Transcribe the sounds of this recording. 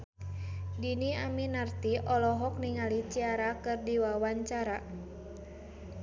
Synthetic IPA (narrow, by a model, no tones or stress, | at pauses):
diniaminart̪iʔɔlɔɦɔk̚niŋalit͡ʃiaɾakɨrdiwawaɲt͡ʃaɾa